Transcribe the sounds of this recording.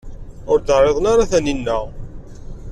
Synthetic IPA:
ʊɾd̪ərˤːeðˤnaɾaθæninːəʁ

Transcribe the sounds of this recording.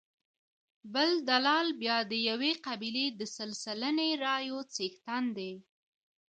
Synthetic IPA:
bəld̪alɑlbjɑd̪əjaweqabiled̪əsəlsələneɾɑjot͡sext̪and̪e

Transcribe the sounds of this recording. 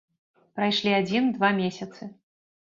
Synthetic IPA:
pɾajʂlʲiad͡zʲind̪vamʲesʲɐt̪sɨ

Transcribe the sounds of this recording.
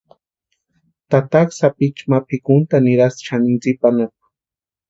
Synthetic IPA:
t̪at̪aχsapit͡ʃmapʰikʊnt̪anɪɾast͡ʃanɪnt͡sipanap̚ḁ

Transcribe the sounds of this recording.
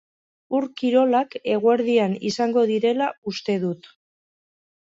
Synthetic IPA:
uɾkiɾo̞lake̞ɣ̞ueɾðianisaŋɡo̞ðiɾe̞laust̪e̞ðut̪

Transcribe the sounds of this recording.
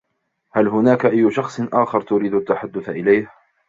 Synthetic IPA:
halɦʊnaːkaʔajːʊʃɑxsˤnʔaːxɪɾt̪ʊɾiːd̪at̪ːaħad̪ːʊθaʔɪlajh

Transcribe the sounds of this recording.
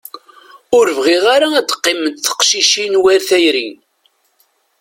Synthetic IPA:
ʊɾvʁiʁaɾaæd̪əqːɪməd̪θə̥qʃiʃinwæɾθæjɾḭ

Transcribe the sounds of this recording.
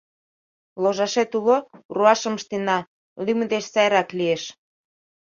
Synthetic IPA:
loʒɑʃet̪uloruɑʃə̆mʃt̪enɑ | lyməd̪eʃsɑjɾɑklieʃ

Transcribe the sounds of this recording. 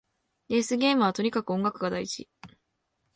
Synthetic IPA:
ɾe̞sɨɡʲe̞ːmɯ̟β̞at̪o̞ɲ̟ikakɯ̟õ̞ŋɡakɯ̟ɡad̪ait͡ɕḭ

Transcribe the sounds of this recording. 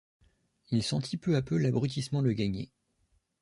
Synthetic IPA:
ilsɑ̃t̪ʰipøapølabʁyt̪̬ismɑ̃ləɡaɲḛ

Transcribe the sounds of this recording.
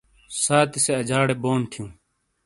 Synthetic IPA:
saːt̪iseɐd͡ʑaːɽeːboːnt̪ʰijũː

